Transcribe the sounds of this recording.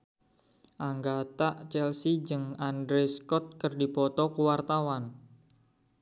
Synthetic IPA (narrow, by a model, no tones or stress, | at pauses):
ʔaŋɡat̪aʔt͡ʃɛlsid͡ʒəŋandɾeskɔt̪̚kərdipɔt̪ɔkuwart̪awan